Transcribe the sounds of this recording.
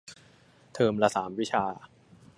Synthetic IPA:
t̪ʰɤː˧mla˧saː˩˦mwi˦˥t͡ɕʰaː˧

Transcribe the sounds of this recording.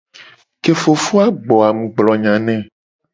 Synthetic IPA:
ke˨fo˨fu˦a˦ɡ͡bɔ˨a˨mũ˨ɡ͡blɔ˨ɲã˨nɛ̃˦˨

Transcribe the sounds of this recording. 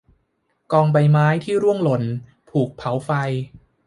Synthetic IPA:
kɔː˧ŋba˧jmaː˦˥jt̪ʰiː˥˩ɾu˥˩əŋlo˨˩˦n | pʰuː˨˩k̚pʰa˩˦wfa˧j

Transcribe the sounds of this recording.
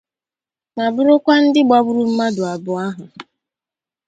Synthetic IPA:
ma˨bʊ˦ɾʊ˦kʷa˦n̩˦dɪ˦ɡ͡ba˦bʊ˦ɾu˦m̩˦ma˦dʊ˨a˨bʊ˨a˦ɦʊ˨

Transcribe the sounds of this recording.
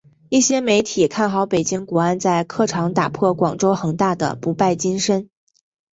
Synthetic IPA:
i˥˩ɕjɛ˥me˧˥ɪt̪ʰi˨˩kʰa˥˩nxɑ˧˥ʊpe˨˩t͡ɕi˥ŋkwɔ˧˥a˥nt͡sa˥˧ɪkʰɤ˥˩ʈ͡ʂʰɑ˧˥ŋt̪a̰˨˩pʰwɔ˥˩kwɑ˨˩ŋʈ͡ʂo˥ʊxɤ˧˩ŋt̪a˥˩d̪ə̰˩pu˧˥pa˥˩ɪt͡ɕi˥nʂə˥n

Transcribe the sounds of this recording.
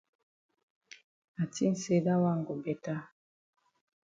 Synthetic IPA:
a˨ti˦n̩˨se˦da˦wa˦ŋɡo˨bɛ˨ta˦

